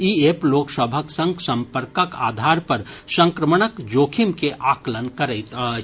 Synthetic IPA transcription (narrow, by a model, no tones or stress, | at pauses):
iːeːploːksəbʱəksə̃ŋɡsɐ̃mpəɾkəka̰ːd̪ʱaːɾpɐɾsə̃ŋkɾəməɳəkd͡ʒoːkʰimkeʔaːklənkəɾəɪt̪